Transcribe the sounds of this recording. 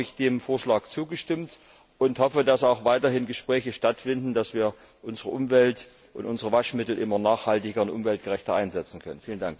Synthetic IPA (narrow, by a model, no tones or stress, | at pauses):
ɪçd̥eːmfoːɐʃlaːkt͡suːɡəʃtɪmt | ʔʊnthɔfədasaʊxv̥aɪtɐɦɪnɡəʃpʁ̥ɛːçəʃtatfɪndn̩dasv̥iːɐ | ʔʊnzəʁəʔʊmvɛlt | ʔʊntʔʊnzəʁəvaʃmɪtl̩ʔɪmɐnaːχhaltɪɡɐʊntʔʊ̰mvɛlt̚ɡ̥əʁɛçtɐʔaɪnzɛt͡sn̩kʰœnənfiːləndaŋk